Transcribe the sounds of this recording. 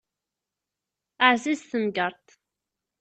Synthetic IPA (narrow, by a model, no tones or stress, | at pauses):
aʕzizθəmɡəɾˤt̪